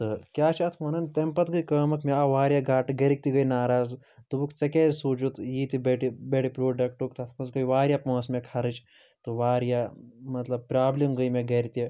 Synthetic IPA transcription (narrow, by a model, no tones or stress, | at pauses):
t̪ɨkjaːt͡ʃʰɐt̪ʰmɐnɐnt̪empɐt̪ɡɐjkɐːmɐkʰmeaʋaːɾʲjaɡaːʈɨɡɐɾik̚t̪iɡɐjnaːɾaːz | d̪ubukt͡sɐkeːzʲsuːt͡ʃut̪jiːt̪ibeʈibeʈipɾoːɖɐk̚ʈukt̪ʰɐt̪ʰmɐs̬ɡɐjʋaːɾʲjapɐ̃ːsmʲekʰɐɾɨt͡ʃ | t̪ɨʋaːɾjaːmɐt̪lɐb̚pɾaːblimɡəjmʲeɡeɾit̪ie